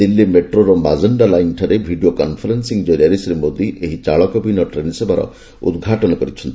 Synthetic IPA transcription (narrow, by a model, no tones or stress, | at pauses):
d̪ilːemeʈɾoɾɔmazəɳɖalajinʈʰaɾebʱiɖijokɔnpʰɔɾensiŋd͡ʒɔɾaɾisɾemod̪iʔeɦit͡ʃaɭɔkɔbinɔʈɾensebaɾɔ̰ | ṵd̪ɡʱaʈɔnɔkɔɾit͡ʃʰɔnt̪i